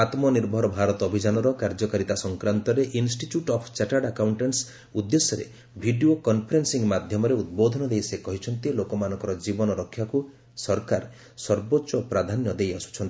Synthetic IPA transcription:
at̪mɔniɾbʱɔɾɔbʱaɾɔt̪ɔːbʱid͡ʒanɔɾɔkaɾd͡ʒɔkaɾit̪asɔŋkɾant̪ɔɾeʔinsʈiʈjuʈɔpʰt͡ʃaʈaɖakawɳʈens | ud̪ːesjɔɾḛ | bʱiɖiokɔnpʰɔɾensiŋɡmad̪ʱjɔmɔɾeud̪̚bod̪ʱɔnɔd̪ejsekɔɦit͡ʃʰɔnt̪ilokɔmanɔ̃ŋkɔɾɔd͡ʒibɔnɔɾɔkʰːjaku | sɔɾkaɾ | sɔɾbotːt͡ʃɔpɾad̪ʱanjɔd̪ejasu̥t͡ʃʰɔnt̪i

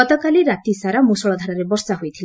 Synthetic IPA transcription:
ɔt̪ɔkaliɾat̪isaɾamosɔɭɔd̪ʱaɾaɾebɔɾsaɦojt̪ʰila

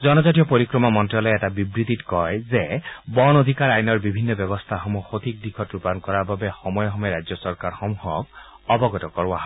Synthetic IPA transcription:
zɔnɔzatijɔpoɹikɹɔmɔmɔntialɔɛtabibɹit̪itkɔjzebɔnod̪ʱikaɹajnɔɹbibʱinːɔbjɔbɔst̪ʰaxɔmuxot̪ʰik̚d̪ikʰɔtɹupankɔɹababexɔmɔjɔɦɔmɛɾajzjɔsɔɹkaɹxɔmuxɔk | ɔbɔɡɔtɔkɔɹaɦa

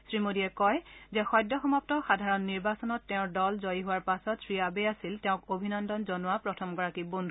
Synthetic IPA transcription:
sɹimodiɛkɔjzɛxɔjdːɔxɔmɔptɔxadʱaɹɔnːiɹbasɔnɔtːɛʊ̃dɔlzojiɦʊaɹpasɔtsʰɹiabeasiltɛʊ̃kobʱinɔndɔnzɔnʊwapɹɔtʰɔmɡɔɹakibondʱu

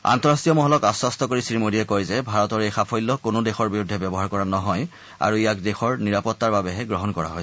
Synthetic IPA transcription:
a̰ntɔɹastiɔmɔɦɔlɔkasɔstɔkoɹisɹimodiɛkojzɛbʱaɹɔtɔɹejxapʰɔjlːɔkonodexɔɹbiɹudʱɛbɛbɔɦaɹkɔɹanɔɦɔj | a̰ɹuijak̚dexɔɹniɹapɔtːaɹbabɛɦɛɡɹɔɦɔnkɔɹa̰ɦojsɛ

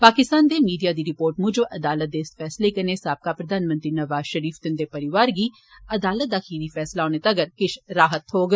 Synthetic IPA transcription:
paːkɪst̪aːnd̪emiːɖijad̪iɾɪpoːɾʈmʊd͡ʒoʔɐd̪aːlət̪̚d̪eɪsfɛːslekɐnesaːb̚kapɾɐd̪ʱaːnmə̃nt̪ɾinɐʋaːzʃəɾiːft̪ɪnd̪epɐɾɪʋaːɾɡiː | ɐd̪aːlət̪̚d̪aːkiːʋifɛːslaoːnet̪ɐɡəɾkɪʃɾaːɦət̪ɦoːɡ

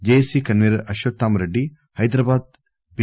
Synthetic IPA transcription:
d͡ʒesikɐnʋiɾʔɐʃʋɐt̪ːaːmɾɐɖːi | hɐjd̪ɾabaːd̪̚ | b

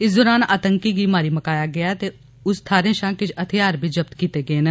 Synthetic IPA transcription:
ɪs̬d̪ɔːɾaːna̰ːt̪ə̃ŋkikimaːɾimɐkaːjaɡɐjat̪e | ʊst̪ʰaːɾẽʃãkɪt͡ʃʰɐt̪ʰijaːɾbʱid͡ʒɐp̚t̪kiːt̪eɡɐenɐ̃

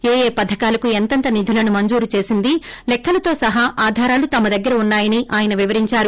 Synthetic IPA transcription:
eːjeːpɐd̪ʱɐkaːlɐkuent̪ɐnt̪ɐnid̪ʱulɐnumɐɲd͡ʒuːɾut͡ʃe̞ːsind̪ilɛkːɐlɐt̪o̞ːsɐɦaʔaːd̪ʱaːɾaːlut̪ɐmɐd̪ɐɡːɐɾɐunːaːjɐniʔaːjɐnɐʋiʋɐɾiɲt͡ʃaːɾu

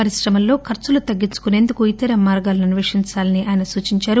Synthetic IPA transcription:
ɐɾisɾɐmɐllo̞ːkʰɐɾt͡ʃulut̪ɐɡːint͡ʃu̥kune̞ːnd̪ukuit̪ɐɾɐmaːɾɡaːlɐnɐniʋeʂiɲt͡ʃaːlɐniʔaːjɐnɐsuːt͡ʃiɲt͡ʃaːɾu

